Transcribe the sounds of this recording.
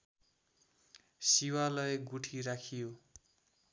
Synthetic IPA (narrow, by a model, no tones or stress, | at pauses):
siwalʌjɡuʈʰiɾakʰijo